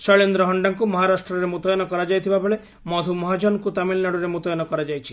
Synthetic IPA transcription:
sɔɭend̪ɾɔɦɔɳɖaŋkumɔɦaɾasʈɾɔɾemut̪ɔjɔnɔkɔɾad͡ʒajt̪ʰibabɔɭe | mɔd̪ʱumɔɦad͡ʒɔnkut̪amilnaɽuɾemut̪ɔjɔnɔkɔɾad͡ʒajt͡ʃʰi̥

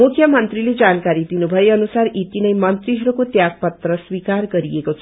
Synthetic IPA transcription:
mukʰːjʌmʌnt̪ɾiled͡zankaɾid̪inubʱʌeʌnusaɾit̪inʌjmʌnt̪ɾiɦʌɾukot̪jaɡ̚pʌt̪rʌswikaɾɡʌɾiekot͡sʰ

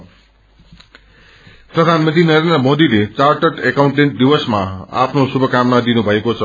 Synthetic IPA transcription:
prʌd̪ʱanmʌnt̪inʌɾend̪rʌmod̪ilet͡sarʈʌʈekawɳʈeɳʈ̚d̪ibʌsmaa̰pʰnosubʱʌkamnad̪inubʱʌekot͡sʰʌ

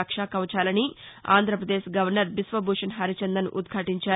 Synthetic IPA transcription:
kʂaːkɐʋɐt͡ʃaːlɐnia̰ːnd̪ʱɾɐpɾɐd̪eːʃɡɐʋɐɾnɐɾbisʋɐbuːʂɐnɦɐɾit͡ʃɐnd̪ɐnuʔud̪ɡʰʱaːʈiɲt͡ʃaː

